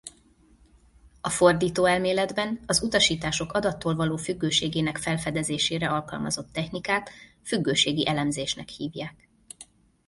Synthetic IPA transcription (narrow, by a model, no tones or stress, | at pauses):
ɒfo̞rd̪iːt̪oːɛlmeːlɛd̪bɛnɒzut̪ɒʃiːt̪aːʃo̞kɒd̪ɒt̪ːoːlvɒloːfyɡːøːʃeːɡeːnɛkfɛlfɛd̪ɛzeːʃeːɾɛɒlkɒ̰lmɒzo̞t̪ːɛçnikaːt̪ | fyɡːøːʃeːɡiʔɛlɛmzeːʃnɛkhiːvjaːk